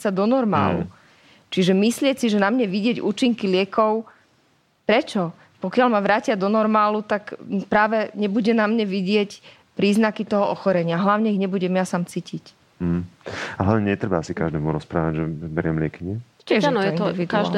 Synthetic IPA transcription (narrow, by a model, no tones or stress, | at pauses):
sad̪ɔnɔɾma̰ːlṵ | t͡ʃiʒɛmislɪɛcsiʒɛnamɲɛʋiɟɪɛɟuːt͡ʃiŋkilɪɛkɔʊ | pɾɛt͡ʃɔ | pɔkɪalmaʋɾaːcɪad̪ɔnɔɾmaːlut̪akpɾaːʋɛɲɛbuɟɛnamɲɛʋiɟɪɛc | pɾiːznakit̪ɔɦɔʔɔxɔɾɛɲɪaɦlaʊɲɛiɣɲɛbuɟɛmjasaːmt͡siːcic̩ | ɦ̩aɦlaʊɲɛɲɛt̪ɾɛbaasikaʒd̪ɛːmuɾɔspɾaːʋaɟʒɛbɛɾɪɛmlɪɛkiɲɛt̪ɛʒnɛpit̪ka